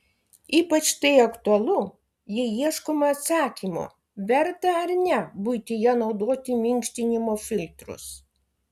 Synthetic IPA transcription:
iːpɐt͡ʃt̪ɐɪɐkt̪ʊɐlˠʊ | jɪjiɛʃkoːmɐɐt̪sɑːkʲimo̰ː | ʋʲɛɾt̪ɐɐɾnʲɛbuɪt̪ʲɪjɛnɒʊd̪oːt̪ʲɪmʲɪŋʲkʃʲt̪ʲɪnʲɪmoːfʲɪlʲt̪ɾʊ̰s

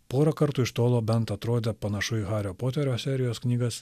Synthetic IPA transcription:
poːɾɐkɐɾt̪uːɪʃt̪oːlˠoːbʲɛnt̪ɐt̪ɾoːd̪ʲɛpɐnɐʃʊɣɑːɾʲoːpoːt̪ʲɛɾʲoːsʲɛːɾʲɪjoːsknʲiːɡɐs

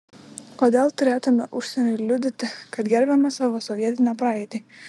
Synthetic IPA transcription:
koːd̪ʲeːlˠt̪ʊɾʲeːt̪ʊmʲɛʔʊʃsʲɛnʲʊɪlʲʊd̪ʲɪt̪ʲɪkɐt̪ɡʲɛɾʲbʲɛmɐsɑʋoːsɔʋʲiɛt̪ʲɪnʲɛpɾɑːɛɪt̪ʲi

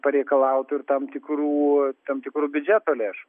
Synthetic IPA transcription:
pɐɾʲɛɪkɐlˠɐʊt̪ʊɪrt̪ɐmt̪ʲɪkruːt̪ɐmt̪ʲɪkɾuːbʲʊd͡ʒʲæːt̪oːlʲeːʃʊ

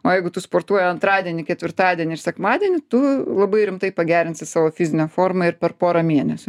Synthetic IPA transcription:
oːjɛɪɡʊt̪ʊspoːɾt̪uɔjɛɐnt̪ɾɑːd̪ʲiɛnʲɪkʲɛt̪ʲʋʲɪɾt̪ɑːd̪ʲiɛnʲɪrsʲɛkmɑːd̪ʲiɛnʲɪt̪ʊlˠɐbɐɪɾʲɪmt̪ɐɪpɐɡʲæːɾʲɪnʲsʲɪsɑːʋoːfʲɪzʲɪnʲɛːfoːrmɐɪɾpʲɛrpoːɾɐmʲiɛnʲɛsʲʊ

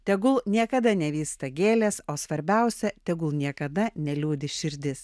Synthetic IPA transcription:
t̪ʲɛɡʊlˠnʲiɛkɐd̪ɐnʲɛʋʲiːst̪ɐɡʲeːlʲeːsoːsʋɐɾʲbʲɛˑʊsʲɛt̪ʲɛɡʊlˠnʲiɛkɐd̪ɐnʲɛlʲuːd̪ʲɪʃʲɪɾʲd̪ʲɪs

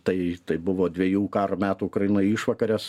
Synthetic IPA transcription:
t̪ɐɪt̪ɐɪbʊʋoːd̪ʲʋʲeɛjuːkɑːɾomʲæːt̪uːʊkɾɐɪɪnoːjɪʃʋɐkɐɾʲɛs

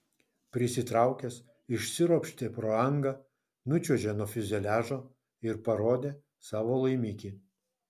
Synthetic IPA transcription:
pʲɾʲɪsʲɪt̪ɾɑˑʊkʲɛs | ɪʃʲsʲɪɾopʲʃʲt̪ʲeːpɾoːɐŋɡɐ | nʊt͡ʃʲuːʒʲeːnoːfʲɪzʲɛlʲæːʒoː | ɪɾpɐɾoːd̪ʲeː | sɑːʋoːlˠɐɪmʲiːkʲiː

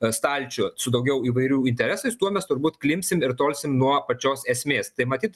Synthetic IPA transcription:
st̪ɑlʲt͡ʃʲʊsʊd̪ɐʊɡʲɛʊiːʋɐɪɾʲuːɪnʲt̪ʲɛɾʲæːsɐɪst̪uɔmʲɛst̪ʊɾbuːt̪klʲɪmʲsʲɪmɪɾt̪oːlʲsʲɪmnuɔpɐt͡ʃʲoːsɛsʲmʲeːst̪ɐɪmɐt̪ʲiːt̪

